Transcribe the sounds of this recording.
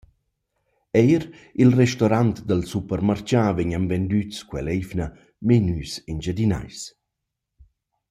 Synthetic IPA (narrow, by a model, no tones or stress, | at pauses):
ɛjɾ | ilrɛʃtɔɾant̪d̪əlsupəɾmart͡ʃavɛɲanvɛnd̪yt͡skwɛlɛjfnə | menyːsind͡ʒad̪ina̰js